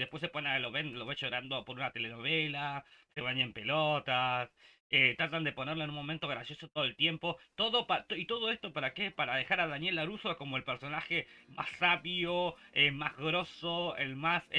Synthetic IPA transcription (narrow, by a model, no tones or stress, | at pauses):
depwes̬e̞ponaloβenloβeʃo̞ɾand̪opo̞ɾunat̪e̞leno̞β̞elaseβaɲempe̞lot̪as | et̪ɾat̪and̪eponeɾloenunmo̞ment̪o̞ɣɾasjosot̪oðolt̪je̞mpo̞t̪oðo̞pat̪oit̪oð̞o̞e̞st̪o̞paɾakepaɾaðexaɾaðanje̞laɾusoeko̞mo̞elpeɾso̞naxe̞mʔa̰sːaβjoemazɣɾo̞soḛlmase